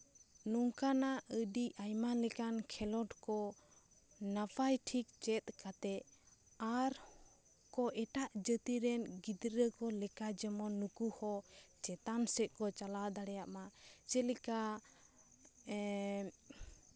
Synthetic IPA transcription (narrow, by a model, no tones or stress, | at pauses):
nɔŋkanaʔəɖiʔajmalɛkankʰɛlɔʈkɔ | napʰajʈʰik̚t͡ʃɛt̪̚kat̪ɛ | aɾ | kɔʔɛʈaʔd͡ʒət̪iɾɛnɡid̪ɾəkɔlɛkad͡ʒɛmɔnukuhɔt͡ʃɛt̪ansɛt̪̚kɔt͡ʃalad̪aɽɛjaʔmat͡ʃɛlɛka